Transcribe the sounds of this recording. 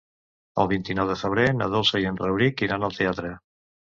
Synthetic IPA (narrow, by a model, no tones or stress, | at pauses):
ə̰lˠβint̪inɔwðefeβ̞ɾena̰ðolsejenrewβɾikiɾanalˠt̪eat̪ɾe